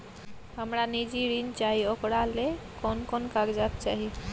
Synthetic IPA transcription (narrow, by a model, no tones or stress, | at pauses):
ɦəmɾanid͡ʒiɾint͡ʃaɦiokɽalekɔnkɔnkaɡd͡ʒab̚t͡ʃaɦi